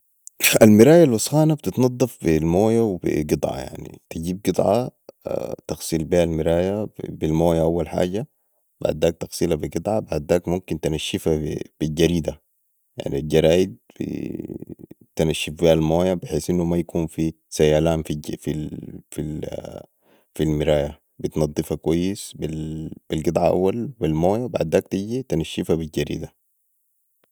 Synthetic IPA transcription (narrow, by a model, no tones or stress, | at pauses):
almɪɾaːjalwɑsˤxaːnab̚t̪it̪nɑd̪ˤːɑfbilmoːjawbḭɡɨd̪ˤʕɑ̰ja̰ʕnḭt̪iɟiːb̚ɡɨd̪ˤʕɑ̰ | t̪ɑxsˤiːlbiːʔalmiɾaːjabilmoːjaʔawːalħa̰ːɟa | b̥a̰ʕd̪ːaːk̚t̪ɑxsˤiːlabiɡɨd̪ˤʕɑbaʕd̪ːaːkmumkint̪anaʃːifab̥ilɟaɾiːd̪a | ja̰ʕnilɟɑɾˤaːjid̪̚bḭ | t̪inaʃːifbialmoːjabɪħeːsʔinːumajakʰuːnfi | sajaːlaːnfififi | filmiɾaːja | bit̪nɑd̪ˤːɨfakwajːisbib̥ilɡɨd̪ˤʕɑʔa̰wːalbilmoːjabaʕd̪aːk̚t̪iɟit̪inaʃːifabilɟaɾḭːd̪a